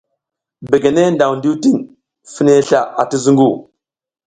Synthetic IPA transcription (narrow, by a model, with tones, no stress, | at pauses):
be˨ɡe˨ne˦nda˨wndi˦ti˦ŋ | fi˦ne˦ɬa˨ʔa̰˨ti˦zu˦ŋɡu˦˨